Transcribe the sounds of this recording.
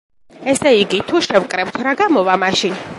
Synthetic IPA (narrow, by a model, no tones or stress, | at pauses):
ɛsɛiɡit̪ʰuʃɛwkʼɾɛp̚t̪ʰɾaɡamɔvamaʃin